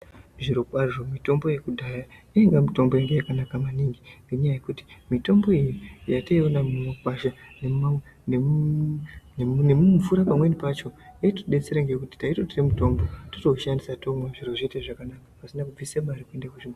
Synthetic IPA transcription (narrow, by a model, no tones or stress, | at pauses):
ʐiɾokwariro̞mito̞mbo̞je̞kudʱajaiiŋɡamito̞mbo̞jaŋɡejakanakamaniŋɡinɡeɲajajekuti̥mito̞mbo̞ijijataio̞namumakwaʃanema | ne | nnemumvuɾapamwe̞nipat͡ʃo̞eitoɗe̞t͡seɾeŋɡekuti̥taitotiremuto̞mbo̞totoʃandisatomwaʐiro̞ʐeteʐakanakapasinakub͡visamaɾikwe̞ndakuʐin